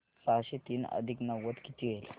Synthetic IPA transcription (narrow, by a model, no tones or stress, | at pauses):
saɦɕit̪iːnə̰d̪ʱiknaʋʋət̪kit̪iɡel